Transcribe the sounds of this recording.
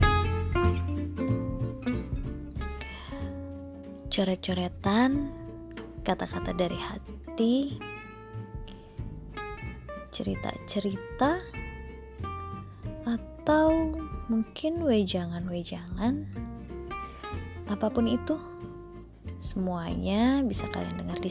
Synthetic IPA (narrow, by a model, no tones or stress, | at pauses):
t͡ʃoɾɛt̚t͡ʃoɾɛt̪an | kat̪akat̪adaɾihat̪i | t͡ʃəɾit̪a̰t͡ʃəɾit̪a | ʔːt̪awmuŋkʰɪnwed͡ʒaŋanwed͡ʒaŋan | ʔapapʊnit̪u | səmuaɲabisaka̰ia̰ndəŋardi